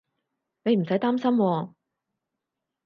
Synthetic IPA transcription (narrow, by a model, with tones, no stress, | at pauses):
ne˨˧jm̩˨˩sɐ˨˥jt̪aː˥msɐ˥mwɔː˧